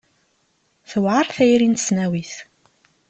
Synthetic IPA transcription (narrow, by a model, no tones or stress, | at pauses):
θəwʕɑɾˤθæjɾint̪snæwiθ